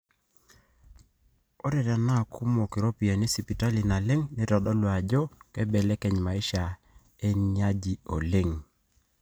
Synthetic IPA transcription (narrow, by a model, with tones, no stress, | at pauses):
o˦ɾɛ˨ɾa˨na˦˨kʰu˦mo˨kɪ˨ɾo˦pi˨a˨ne˦si˨pi˨ta˦li˨na˨lɛ˦ŋne˦ɾɔ˨dɔ˦lwa˨d͡ʒɔ˦kɛ˦bɛ˨lɛ˦kɛ˨ɲma˨i˦ʃa˨ | e˦ɲa˦d͡ʒi˦o˨le˦˨ŋ